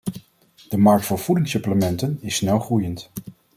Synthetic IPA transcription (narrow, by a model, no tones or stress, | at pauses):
d̥əmɑɹk̚tfʊːɹv̥udɪŋsɵpləmɛntənɪsːnɛlˠχrujənt